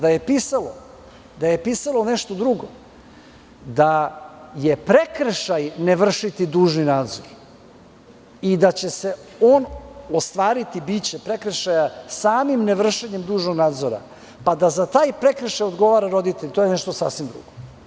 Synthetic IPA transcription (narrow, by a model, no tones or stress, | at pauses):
d̪aje̞piːsalo | d̪ajepiːsalˠo̞neʃt̪od̪ɾuɡo̞̰ | d̪aje̞pɾe̞kr̩ʃajneʋr̩ʂit̪id̪uːʒninaːd̪zoɾ | id̪at͡ɕe̞se̞o̞ːnost̪ʋaːɾit̪ibit͡ɕe̞pɾekr̩ʃajasaːmimneʋr̩ʃeɲemd̪uːʒno̞ɡnaːd̪zoɾa̰ | pad̪azat̪aːjpɾe̞kr̩ʃajod̪ɡo̞ʋaːɾaɾo̞d̪it̪eʎit̪o̞jenɛʃt̪osa̰fsʋimd̪ɾṵɡ̥o